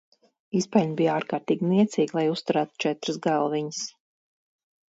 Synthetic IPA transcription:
ispalnʲbijaːɾkaːɾt̪iːɡʲiniɛt̪siːɡlˠajust̪uɾæːt̪u̥t͡ʃɛt̪ɾɨsɡalˠviɲs

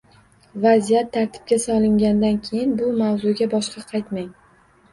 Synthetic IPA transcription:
vazijat̪ʰːaɾt̪ʰɪ̥p̚kʲasɒlˠɪŋɡʲand̪ankʲʰe̞jɪnbʊmawzʊɡʲabɒʃqɑqʰɑjt̪maŋ

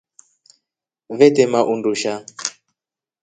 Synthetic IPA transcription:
vɛtɛmaʔunduʃa

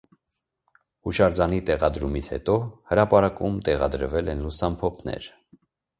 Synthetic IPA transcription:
huʃɑɾd͡zɑnit̪ɛʁɑd̪ɾumit͡sʰhɛ̰t̪ɔhəɾɑpɑɾɑkumt̪ɛʁɑ̰d̪əɾvɛlɛnlusɑmpʰɔpʰnɛ̰ɾ

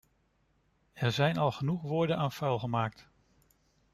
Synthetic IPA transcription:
ɛɹzɛjnɑlˠχənuχʋʊːɹdənaːnfœɥlˠχəmaːk̚t

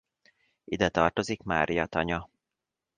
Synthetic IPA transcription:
id̪ɛt̪ɒrt̪o̞zikma̰ːɾijɒt̪ɒɲɒ

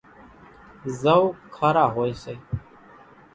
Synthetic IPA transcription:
zəwkʰaːɾaːɦoːiːseː

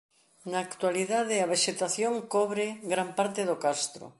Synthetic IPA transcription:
naːkt̪waliðaðeɐβ̞eʃet̪aθjoŋkɔβɾeɡɾampaɾt̪eðokast̪ɾʊ̰

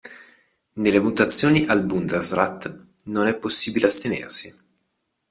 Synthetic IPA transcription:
nelːemut̪at̪sːjoːniʔalbund̪ezrat̪ː | nonɛpːosːiːbileast̪enḛrsi

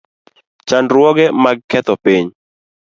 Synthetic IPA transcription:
t͡ʃandɾwɔɡɛmaɡ̚kɛt̪ɔpiɲ

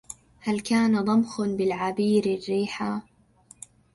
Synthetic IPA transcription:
halkaːnad̪ˤɑmxbɪlʕabiːɾɪrːiːħaː

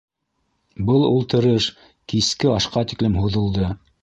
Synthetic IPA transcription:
bɤlˠulˠt̪ɤ̆ɾɤʃ | kiskɘɑʃqɑt̪iklɘmɦuðɤ̆lˠd̪ɤ

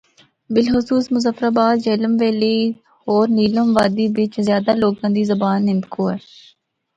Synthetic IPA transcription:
bɪlxʊsuːsmʊzəfɾaːbaːd̪d͡ʒɛːləmʋeːliː | ɔːɾniːləmʋaːd̪iːbɪt͡ʃzjaːd̪aloːɡãːd̪iːzəbaːnːɪ̃mt̪kʰoːɦɛː

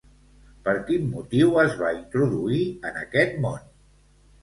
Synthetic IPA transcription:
pəɾkinːut̪iwəzβaint̪ɾuðuiənəkɛt̪mon

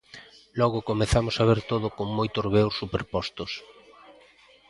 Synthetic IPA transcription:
lɔɣʊkomeθamʊsaβeɾt̪oðʊkoŋmojt̪ʊzβewssːupeɾpɔst̪ʊs

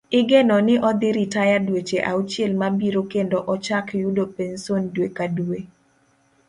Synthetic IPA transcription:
ɪɡenɔnɪʔɔd̪ɪɾɪtajadwet͡ʃeʔaut͡ʃjɛlmabiɾokendoʔɔt͡ʃakjudopensondwekadue

